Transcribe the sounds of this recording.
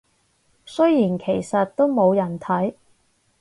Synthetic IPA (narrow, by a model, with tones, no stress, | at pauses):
sɵ˥jiː˨˩nkʰe˨˩jsɐ˨t̚t̪o˥wmo˨˧wjɐ˨˩nt̪ʰɐ˨˥j